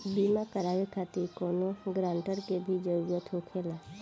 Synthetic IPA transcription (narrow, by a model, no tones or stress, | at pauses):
biːmakəɾaːʋekʰaːt̪ikoːnoɡɾãːɳʈəɾkebʱid͡ʒəd͡ʒot̪ʰoːkʰeːlaː